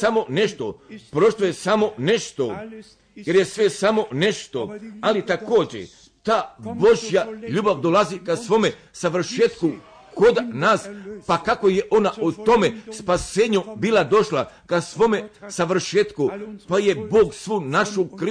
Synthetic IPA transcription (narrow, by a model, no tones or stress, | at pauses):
samo̞ne̞ʃt̪opɾo̞ʃlojesamo̞ne̞ʃt̪o̞ | je̞ɾjesʋe̞samo̞ne̞ʃt̪o̞alit̪ako̞ːd͡ʑḛ | t̪aːbo̞ʒjaʎuːbaʋd̪olˠazikasʋo̞me | saʋr̩ʃeːt̪ku | kod̪naːspakako̞je̞ʔo̞naʔut̪o̞mespaseːɲubiːlad̪o̞ʃlakasʋo̞me̞saʋr̩ʃeːt̪kupaje̞boːɡsʋuːnaʃukɾi